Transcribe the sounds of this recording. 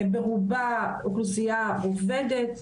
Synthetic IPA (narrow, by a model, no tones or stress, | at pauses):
beʁubauklusijaovɛd̪et̪